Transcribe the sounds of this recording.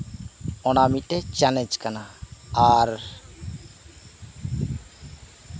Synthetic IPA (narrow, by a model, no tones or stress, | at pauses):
ɔnamiʈɛt͡ʃalɛd͡ʒkanaaɾ